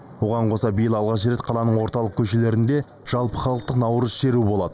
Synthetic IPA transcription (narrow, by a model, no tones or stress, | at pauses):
wo̞ʁɑɴqʰo̞sɑbijɪlˠɑlˠʁɑʃəɾe̞t̪̚qʰɑlˠɑnəɴwo̞ɾt̪ɑlˠəq̚kʲʰɵʃe̞le̞ɾɪnd̪e̞ | ʒ̥ɑlˠpəχɑlˠəq̚t̪əqnɑwəɾəzʃe̞ɾubo̞lˠɑd̪̥ə